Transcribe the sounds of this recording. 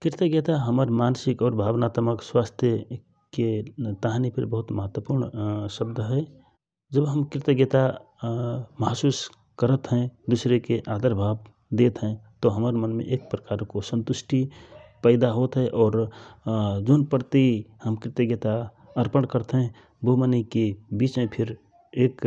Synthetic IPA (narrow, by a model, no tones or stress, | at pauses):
kɪɾt̪əɡet̪aɦəməɾmansikɔːɾbʱaːbnaːt̪məkswast̪ʰjə | ket̪aɦanipʰəɾbəɦut̪məɦət̪wəpuɾɳsəbd̪ʱəɦɛ | d͡ʒəbɦəmkɾɪt̪əɡet̪a | məɦsuːs | kəɾət̪ɦɛ̃d̪usɾekeʔad̪əɾbʱab | d̪eːt̪ɦɛ̃t̪oɦəməɾmənmḛ̃ʔeːk̚pɾəkaːɾkosə̃nt̪ʊsʈipəɪd̪aɦot̪ɦɛʔɔːɾ | d͡ʒoːnpəɾt̪ihəmkɾɪt̪əɡet̪a | əɾpəɳkəɾt̪ɦɛ̃ | bomənikebiːt͡ʃmẽpʰɪɾ | eːk